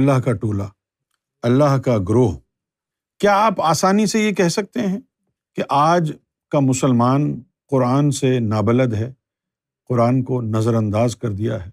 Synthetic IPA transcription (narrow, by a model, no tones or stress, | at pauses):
lːaɦkaʈoːla | ɐlːaɦkaɡɾoːɦ | kjaːaːpaːsaːnisejekɛɦsɐk̚t̪eɦɛ̃ | keʔaːd͡ʒ | kamʊsəlmaːn | qʊɾaːnsenaːbɐləd̪ɦɛː | qʊɾaːnkonɐzəɾɐ̃nd̪aːzkɐɾd̪ija̰ɦɛː